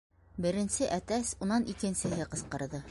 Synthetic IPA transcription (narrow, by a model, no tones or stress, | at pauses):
bɘ̆ɾɘ̆nsɘʔæt̪æsunɑnʔikɘ̆nsɘ̆ɦɘqɤ̆sqɤ̆ɾðɤ